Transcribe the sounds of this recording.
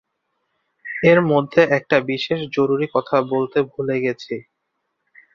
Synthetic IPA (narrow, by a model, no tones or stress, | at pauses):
eɾmod̪ʱːeʔɛk̚ʈabiʃeʃd͡ʑoɾuɾikɔt̪ʰabolt̪ebʱuleɡɛt͡ɕʰe